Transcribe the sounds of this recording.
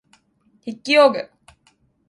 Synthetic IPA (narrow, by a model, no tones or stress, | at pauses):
hikːioːɡe